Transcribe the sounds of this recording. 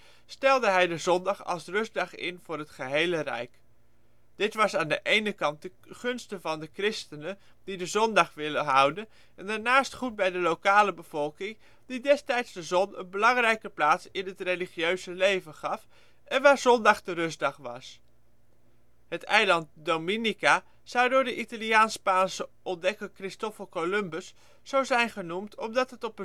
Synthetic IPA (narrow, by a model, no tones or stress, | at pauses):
stɛlˠdəɦɛjdəzɔndɑχɑ̰lˠsrɵzdɑχɪ̰nvʊːrɦətχəɦejlərɛ̰jk | d̥ɪtʋɑsaːndəʔejnəkɑnt̚də | χɵnstəvɑndəkrɪstənə | d̥idəzɔndɑχʋɪləɦʌwdən | ɛndaːɹnaːstχut̚bɛjdəlowkaːləbəv̥ɔlˠkɪŋ | didɛstɛjtsdəzɔnə̰nbəlɑŋrɛjkəplaːtsɪnɦətrejliχiøɥzəlejvənχɑf | ʔɛnʋaːɹzɔndɑχdərɵzdɑχʋɑ̰s | ɦətɛjlɑnt̚dowminika | z̥ʌwdʊːɹdəʔitaliaːnspaːnsəʔɔndɛkəkrɪstɔfəlˠkolɵmbəsː | awzɛjnχənumtʰɔmdɑtɦətɔpə